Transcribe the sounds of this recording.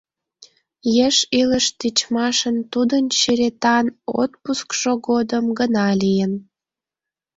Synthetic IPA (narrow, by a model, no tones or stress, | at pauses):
jeʃiləʃt̪it͡ɕmɑʃənt̪ud̪ənt͡ɕiɾet̪ɑno̰t̪̚puskʃoɡod̪əmɡənɑlijən